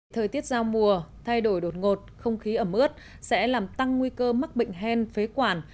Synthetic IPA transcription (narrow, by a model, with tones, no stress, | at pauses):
t̪ʰəː˨˩jt̪i˦˥ət̚zaː˧wmu˨˩ət̪ʰa˧jɗo˧˩jɗo˨˩t̚ŋo˨˩t̚xə˧wŋ͡mxi˨˦ʔəː˧˩mɨ˦˥ət̚ | sɛ̰˧˥laː˨˩mt̪a˧ŋːwi˧kəː˧ma˦˥k̚ɓḭ˧˨ŋ̟ɦɛ˧nfe˨˦kwaː˧˩n